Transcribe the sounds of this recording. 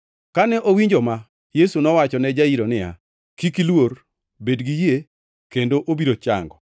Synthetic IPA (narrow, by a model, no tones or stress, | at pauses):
kanɛʔowiɲd͡ʒɔma | jesunɔwat͡ʃɔnɛd͡ʒaiɾonɪja̰ | kikilwor | bedɡije | kendoʔobiɾot͡ʃa̰ŋɡɔ